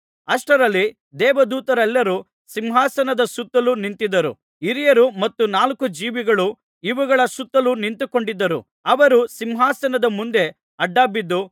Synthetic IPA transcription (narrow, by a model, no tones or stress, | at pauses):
ɐʂʈɐɾɐlːi | d̪ɛːʋɐd̪uːt̪ɐɾɛlːɐɾu | simɦaːsɐnɐd̪ɐsut̪ːɐlunint̪id̪ɐɾṵ | iɾijɐɾumɐt̪ːunaːlkud͡ʒiːʋiɡɐɭu | iʋuɡɐɭɐsut̪ːɐlunint̪uko̞ɳɖid̪ːɐɾṵ | ɐʋɐɾusimɦaːsɐnɐd̪ɐmund̪e̞ | ɐɖːaːbid̪ːu